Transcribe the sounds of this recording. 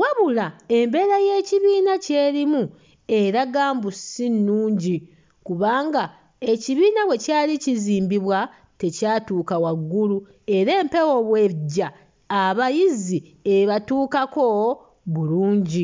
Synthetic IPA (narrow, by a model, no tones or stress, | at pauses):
waβulae̞mbe̞ɾaje̞ːciβiːnace̞ːɾimu | e̞ɾaɡaːmbusinːuːɲɟi | kuβaːŋɡa | e̞ciβiːnawe̞caːliciziːmbiβwa | te̞caːtuːkawaɡːulu | e̞ɾe̞ːmpe̞wo̞βweɟːaː | βajizi | e̞βatuːkako̞ | βuluːɲɟi